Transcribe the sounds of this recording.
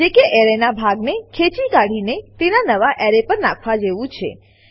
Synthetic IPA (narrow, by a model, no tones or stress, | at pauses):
d͡ʒekeʔɛɾenabʱaɡnekʰet͡ʃikaɽ̤inet̪enanəʋaʔɛɾepəɾnakʰʋad͡ʒeʋũt͡ʃʰḛ